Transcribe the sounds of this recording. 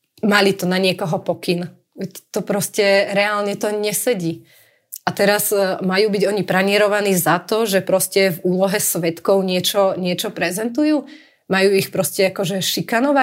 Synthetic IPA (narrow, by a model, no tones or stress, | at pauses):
malit̪ɔnaɲɪɛkɔɦɔpɔkin | ʋɛt̪ɔpɾɔscɛɾɛalɲɛt̪ɔɲɛsɛɟiː | at̪ɛɾazmajuːbiɟɔɲipɾaɲɪɛɾɔʋaniːzat̪ɔʒɛpɾɔscɛvuːlɔɦɛsʋɛt̪kɔʊɲɪɛt͡ʃɔɲɪɛt͡ʃɔpɾɛzɛnt̪ujuː | majuːixpɾɔscɛakɔʒɛʃikanɔʋa